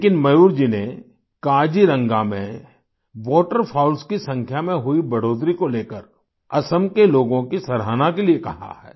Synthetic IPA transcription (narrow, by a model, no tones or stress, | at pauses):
kɪnmɐjuːɾd͡ʒine | kaːd͡ʒiɾɐ̃ŋɡamḛ̃ | ʋɔːʈəɾpʰaːʊlskisɐ̃ŋkʰjamẽɦʊibɐɽoːd̪ɾikoleːkəɾ | ɐsəmkeloːɡõkisɐɾɦaːnakeliekɐɦa̰ɦɛ̰ː